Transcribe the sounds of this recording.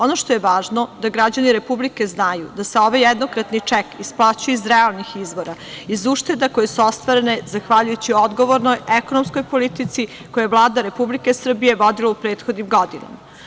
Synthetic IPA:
o̞no̞ʃt̪o̞jeʋaːʒnod̪aɡɾad͡ʑaniɾe̞publike̞znajud̪aseo̞ʋajed̪nokɾat̪nit͡ʂɛkisplˠat͡ɕujeizɾealˠnixizʋo̞ɾaizuːʃt̪e̞d̪ako̞jesuost̪ʋaɾenezaxʋaʎujut͡ɕiod̪ɡo̞ʋoɾnojeko̞nomsko̞jpo̞lit̪it̪si | ko̞jeevlˠaːd̪aɾe̞publike̞sr̩bije̞ʋo̞d̪ilaupɾeːt̪xod̪nimɡo̞d̪ina̰ma

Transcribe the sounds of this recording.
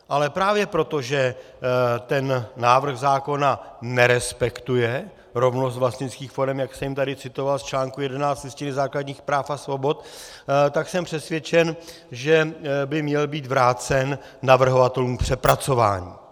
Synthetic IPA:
ʔalɛpɾaːvjɛpɾo̞t̪o̞ʒɛ | t̪ɛnːaːvr̩ɣzaːko̞nanɛɾɛspɛkt̪ujɛ | ɾo̞vnost̪vlast̪ɲɪt͡skiːxfo̞ɾɛmjaksɛjɪmt̪adɪt͡sɪt̪o̞valst͡ʃlaːŋkujɛdɛnaːt͡st̪lɪscɪnɪzaːkladɲiːxpɾaːfasvo̞bo̞t̪ | t̪aksɛmpr̝̥ɛsvʲjɛt͡ʃɛn | ʒɛbɪmɲɛlbiːt̪vɾaːt͡sɛnː | avr̩ɦovat̪ɛluːmpr̥ɛpɾat͡so̞va̰ːɲḭː

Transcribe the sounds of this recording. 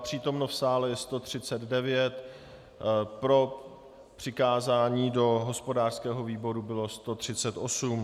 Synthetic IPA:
pr̝̥iːt̪o̞mnofsaːlɛjɛst̪o̞t̪r̝̥ɪt͡sɛd̪dɛvɪjɛt̪ | pɾo̞ | pr̥ɪkaːzaːɲiːdo̞ɦo̞spo̞daːr̥skɛːɦo̞viːbo̞ɾubɪlo̞st̪o̞t̪r̝̥ɪt͡sɛt̪ʔosum

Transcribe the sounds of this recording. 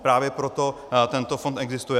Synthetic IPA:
pɾaːvjɛpɾot̪o | t̪ɛnt̪ofont̪ʔɛɡzɪst̪ujɛ

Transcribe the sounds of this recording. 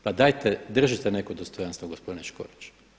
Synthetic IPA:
pad̪ajt̪ed̪r̩ʒit̪enekod̪ost̪ojanst̪ʋoɡospo̞d̪ineʃko̰ɾit͡ʃ

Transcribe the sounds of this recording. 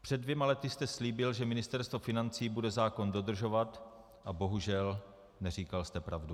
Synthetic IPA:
pr̥ɛdːvjɛmalɛt̪ɪst̪ɛsliːbɪlʒɛmɪnɪst̪ɛɾst̪vofɪnant͡siːbudɛzaːko̞ndo̞d̪r̩ʒo̞vat̪ | ʔabo̞ɦuʒɛl | nɛr̝iːkalst̪ɛpɾavdu

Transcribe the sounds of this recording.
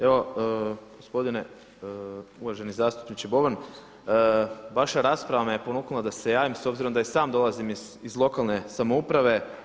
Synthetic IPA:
e̞ʋo̞ɡ̥ospo̞d̪ine̞ | uʋaʒe̞nizaːst̪u̥pnit͡ʃibo̞ʋanː | ʋaʃaɾaːspɾaʋamejepo̞nuknulˠad̪ase̞jaːʋimso̞bziɾo̞md̪aisaːmd̪o̞lˠazim | izlˠo̞kalˠne̞samoupɾaʋe̞

